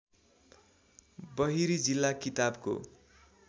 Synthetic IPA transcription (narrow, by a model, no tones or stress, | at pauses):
bʌɦiɾid͡zilːakit̪abko̰